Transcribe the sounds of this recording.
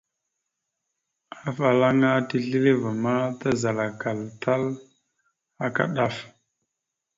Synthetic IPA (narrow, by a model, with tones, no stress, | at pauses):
a˨fa˨la˦ŋa˦ti˦ɬi˦le˦va˨ma˦ta˦za˨la˨ka˨lta˦l | a˨ka̰˦ɗa˦˨f